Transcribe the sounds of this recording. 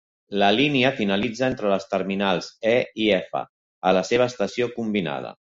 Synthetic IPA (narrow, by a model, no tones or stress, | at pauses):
ləliniəfinəlid͡zəent̪ɾələst̪əɾminalˠzɛiɛfə̰ | ələseβ̞əːst̪əsiokumbina̰ð̞ə̰